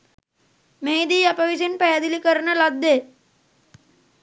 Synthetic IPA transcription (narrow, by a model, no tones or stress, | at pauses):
mejd̪iːɐpɐʋisinpæjɐd̪ilikəɾnəlɐd̪ːeː